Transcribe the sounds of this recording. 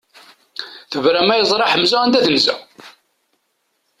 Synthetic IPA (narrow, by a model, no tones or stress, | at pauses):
θəvɾæmæjzˤɾˤɑħəmːzæænd̪æðənzæ̰